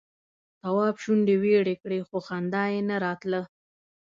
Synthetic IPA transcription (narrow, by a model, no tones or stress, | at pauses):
t̪awɑbʃuɳɖeweɽekɽexoxand̪ɑjenaɾɑt̪lə